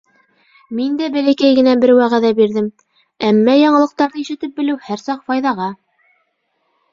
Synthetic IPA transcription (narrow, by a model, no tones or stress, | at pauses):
mind̪æbælækæjɡɘ̆næbɘɾwæʁæðæbiɾðɘm | æmːæjɑɴɤ̆lˠɤ̆q̚t̪ɑɾðɤiʃɘ̆t̪ɘp̚bɘ̆lɘwhæɾsɑqfɑjðɑʁɑ